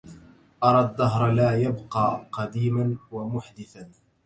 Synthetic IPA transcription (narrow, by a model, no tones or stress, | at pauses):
ʔɑɾˤɑːd̪ːaɦɾˤlaːjabqɑːqɑd̪iːmanwamʊħd̪ɪθan